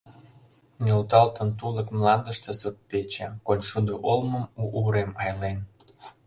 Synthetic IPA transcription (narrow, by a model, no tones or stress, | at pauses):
nʲelt̪ɑlt̪ənt̪uləkmlɑnd̪əʃt̪esut̪̚pet͡ɕekonʲʃud̪oʔolməmuːɾemɑjlen